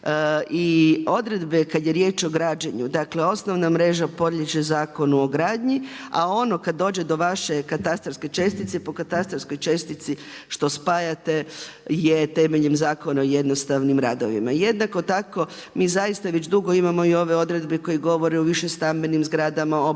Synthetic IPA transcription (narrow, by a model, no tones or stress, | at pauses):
io̞d̪ɾe̞d̪be̞kad̪je̞ɾje̞ːt͡ʃo̞ɡɾaːd͡ʒeɲud̪akle̞o̞sno̞ʋnamɾe̞ʒapo̞d̪ʎʲet͡ʃe̞zaːko̞nuo̞ɡɾaːd̪ɲia̰o̞no̞kad̪dːo̞ːd͡ʑe̞d̪o̞ʋaʃe̞kat̪ast̪ɾosko̞jt͡ʃe̞st̪it̪sepo̞kat̪ast̪ɾosko̞jt͡ʃe̞st̪it̪si | ʃt̪o̞spajat̪e̞jet̪emeʎemzaːko̞naoje̞d̪nost̪aʋnimɾad̪o̰ʋḭmaje̞d̪nako̞t̪ako̞miːzajist̪aʋed͡ʑd̪uɡo̞imamo̞io̞ʋe̞o̞d̪ɾe̞d̪beko̞jiɡo̞ʋo̞ɾeuʋiʃest̪ambe̞nimzɡɾaːd̪amao